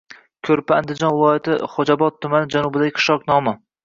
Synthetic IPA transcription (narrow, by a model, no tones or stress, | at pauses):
kʲʰɵɾpɪand̪ɪd͡ʒɒnvɪlˠɒjat̪ʰɪχod͡ʒabɒt̪ʰːʊmanɪd͡ʒanʊbɪd̪aɡʲqʰɨ̥ʃɒqnɒmɪ